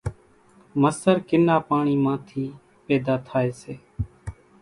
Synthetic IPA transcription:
məsəɾkɪnaːpaːɳiːmãːt̪ʰiː | peːd̪aːt̪ʰaːeːseː

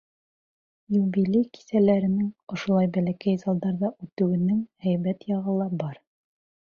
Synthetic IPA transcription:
juβilʲejki̥sælæɾɘ̆nɘŋŏʃŭlˠɑjbælækæjzɑlˠd̪ɑɾðɑʔʉt̪ɘ̆wɘ̆nɘŋhæjβæt̪jɑʁɤ̆lˠɑbɑɾ

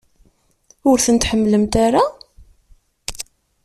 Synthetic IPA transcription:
ʊɾθənt̪ħəmːləmt̪aɾa

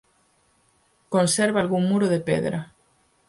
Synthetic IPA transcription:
konseɾβalɣuŋmuɾoðepḛðɾa̰

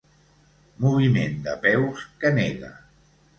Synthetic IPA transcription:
muβimend̪əpɛwskəneɣə̰

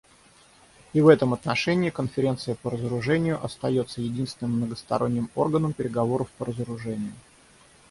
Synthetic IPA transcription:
ivɛt̪əmɐt̪nɐʂɛnʲɪːkənfʲɪɾʲe̞nt̪sɨjəpəɾəzəɾʊʐɛnʲɪjʊʔɐst̪ɐjo̞t̪sːəjɪdʲinst̪ʲɪnɨmːnəɡəst̪ɐ̰ɾo̞nʲːɪmo̞̰rɡənəmpʲɪɾʲɪɡɐvo̞ɾəfpəɾəzəɾʊʐɛnʲɪjʊ

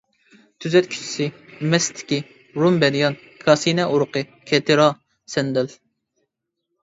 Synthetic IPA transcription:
t̪ʰyzɛt̪kʲʰy̥t͡ʃʰi̥sɪmɛst̪ʰɪ̥kʲi | ɾumbɛnjɑn | kʰɑsinɛʔuɾʊqʰɨ | kʰʲɛt̪ʰɨɾɑ | sɛnd̪ɛl

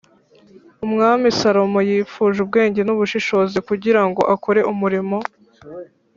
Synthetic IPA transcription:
umŋaːmisaɾo̞mojiːfuːʒub̚ɡe̞ːɲɟe̞nuβuʃiʃo̞ːzikuɟiɾaŋɡo̞ʔako̞ɾe̞ʔumuɾimo̞

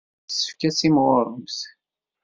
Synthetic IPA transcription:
sə̥fkæsimʁoɾˤəms

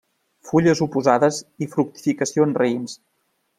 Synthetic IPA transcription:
fuʎəzupuzaðəzifɾuk̚t̪i̥fikəsionzreins

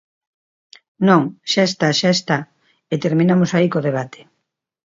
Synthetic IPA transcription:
nõŋʃaest̪aʃaest̪a | et̪eɾmĩnamosaikoð̞eβ̞at̪ʰe̥

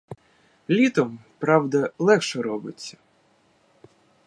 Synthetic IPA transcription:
lʲit̪ɔmpɾɑwd̪ɐlˠɛxʃɛɾɔbɪt͡sʲːɐ̥

